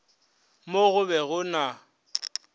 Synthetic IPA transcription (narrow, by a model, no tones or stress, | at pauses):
moɣʊbɛɣʊna